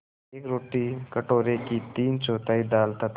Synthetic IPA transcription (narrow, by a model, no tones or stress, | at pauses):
ekɾoʈiːkəʈoɾekit̪iːnt͡ɕot̪aid̪alt̪at̪